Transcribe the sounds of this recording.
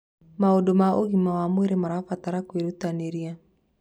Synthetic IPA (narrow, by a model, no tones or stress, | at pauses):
maodomaoɣimawamueɾemaɾafat̪aɾakweɾutaneɾia